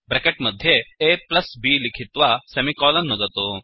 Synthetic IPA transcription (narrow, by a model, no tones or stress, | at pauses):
bɾɛkeʈməd̪ʱːjeepləsbiːlikʰit̪ʋasemikɔlənːod͡zat̪o